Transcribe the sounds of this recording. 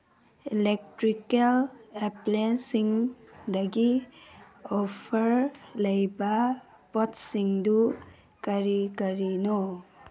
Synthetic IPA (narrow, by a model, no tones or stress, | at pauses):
ilek̚tɾikeleplensiŋdɐɡi | ɔpʰɐɾlɐjba | pɔtsiŋdu | kaɾikɐɾinɔ